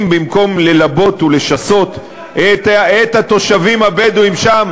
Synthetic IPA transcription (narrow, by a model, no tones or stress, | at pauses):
mbimko̞mle̞labo̞t̪ule̞ʃaso̞t̪ | etet̪hat̪o̞ʃavimabed̪uimʃam